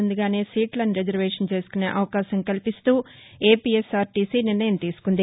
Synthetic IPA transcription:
und̪uɡaːne̞ːsiːʈlɐniɾed͡ʒɐɾʋeːʂɐnt͡ʃe̞ːsu̥kuneːʔɐʋɐkaːʃɐŋkɐlipist̪uː | e̞ːpiːesaːɾʈiːsiːniɾnɐjɐmt̪iːsu̥kund̪i

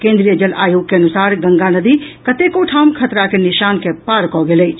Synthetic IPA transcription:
kẽːnd̪ɾijəd͡ʒəlaːjoːɡ̚keɐnʊsaːɾɡɐŋɡanɐd̪iːkɐt̪ekoʈʰaːmkʰɐt̪ɾakenɪʃaːnkepaːɾkɔːɡele

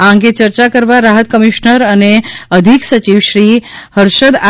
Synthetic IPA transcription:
ãŋɡet͡ʃəɾt͡ʃakəɾʋaɾaɦət̪kəmiʃnəɾəneəd̪ʱiksət͡ʃiʋʃɾihəɾʃəd̪a

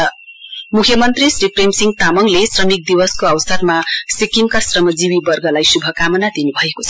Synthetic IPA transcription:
ʌmukʰjʌmʌnt̪risripremsiŋt̪amʌŋlesrʌmik̚d̪iwʌskoʌwsʌrmasikimkasrʌmʌd͡ziwibʌrɡʌlajsubʱʌkamʌnad̪inubʱʌekot͡sʰʌ

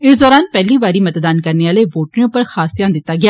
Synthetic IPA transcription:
ɪsd̪ɔːɾaːnpɛːliːʋaːɾiːmət̪d̪aːnkəɾneːaːleːʋoːʈnõːpəɾxaːsd̪ɪjãːnd̪ɪt̪ːaːɡɪaː

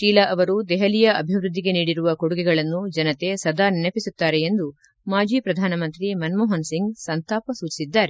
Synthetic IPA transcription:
ʃiːlɐʔɐʋɐɾud̪ɛɦɐlijɐʔɐbʱiʋɾud̪ʱːiɡe̞niːɽiɾuʋɐkoɽuɡɛɡɐɭɐnːud͡ʒɐnɐt̪e̞sɐd̪ʱaːninɐpisut̪ːaːɾe̞end̪u | maːd͡ʒiːpɾɐd̪ʱaːnɐmɐnt̪ɾimɐnmɔːɦɐnsiŋɡsɐnt̪aːpɐsuːt͡ʃi̥sid̪ːaːɾe

